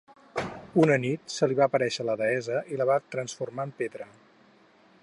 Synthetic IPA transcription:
unənit̪səliβaːpəɾɛʃələðəɛzəʔiləβat̪ɾənsfurmaəmpeðɾə

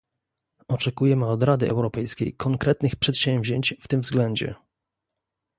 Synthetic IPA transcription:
ɔt͡ʂɛkujɛmɘɔd̪ɾad̪ɘʔɛ̰wɾɔpɛjskʲejkʰɔŋkɾɛt̪nɘxpʂɛt̪ɕɛ̃mvʑeɲt͡ɕft̪ɘmvzɡlɛɲd͡ʑɛ̰

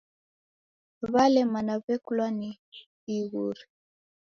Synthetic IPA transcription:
βalɛmanaβɛkulwani | iɣuɾi

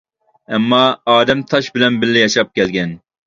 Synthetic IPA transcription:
ɛmːɑɑːd̪ɛmt̪ʰɑʃbɪlɛnbɪlːɪjɑʃɑp̚kʲɛlɡʲɛn

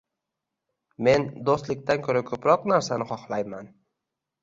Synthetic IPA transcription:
me̞nd̪ost̪lɪk̚ʲt̪ʰankʰɵɾakʲʰɵpɾɒqnaɾsanɪχɒχlˠajman

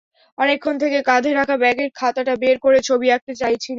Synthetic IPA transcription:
ɔnekʰːont̪ʰekekad̪ʱeɾakʰabɛɡeɾkʰat̪aʈabeɾkoɾet͡ɕʰobiɾak̚t̪et͡ɕajt͡ɕʰil

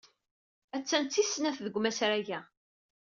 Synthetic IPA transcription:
æt͡sːænt͡s̪ːisnæθðəɡʷːmæsɾæʝæ

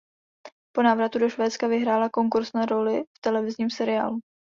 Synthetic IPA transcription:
po̞naːvɾat̪udoʃvɛːt͡skavɪɦɾaːlako̞ŋkuɾsnaɾo̞lɪft̪ɛlɛvɪzɲiːmsɛɾɪja̰ːlu

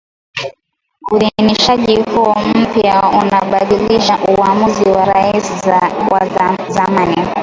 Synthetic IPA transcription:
uðiniʃaʄihuɔm̩pjaṵnaɓaɗiliʃaʔuamuziwaɾaiswa̰zamani

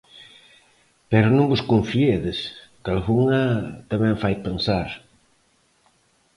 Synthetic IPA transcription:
pɛɾʊnõŋbʊskõɱfieðɪskalɣuŋɐt̪amɛ̃ŋfajpensaɾ

